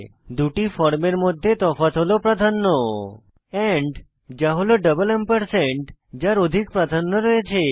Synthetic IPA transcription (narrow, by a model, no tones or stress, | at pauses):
d̪uʈifɔɾmeɾmod̪ʱːjet̪ɔfat̪ɦolopɾad̪ʱanːɔ | ɛɳɖ | d͡ʒaɦoloɖəbəlɛmpəɾseɳʈd͡ʒaɾod̪ʱik̚pɾad̪ʱanːɔɾɔet͡ʃʰe